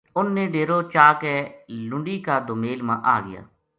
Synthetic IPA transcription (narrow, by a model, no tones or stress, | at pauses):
ʊnːẽːɖeːɾoːt͡ʃaːkɛːlʊ̃ɳɖiːkaːd̪omeːlmãːʔaːɡɪ̰ja̰ː